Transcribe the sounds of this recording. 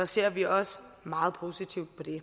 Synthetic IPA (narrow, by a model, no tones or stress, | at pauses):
ɒ̽se̝ɐ̰ʋiɒ̽smɑ̈ːð̞̩ˠpʰo̝ːsit͡sʰiʊ̰d̥̚pʰɒ̽d̥e̝